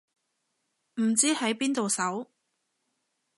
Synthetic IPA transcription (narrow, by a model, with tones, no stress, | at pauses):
m̩˨˩t͡siː˥hɐ˨˥jpiː˥nt̪o˨wsɐ˨˥w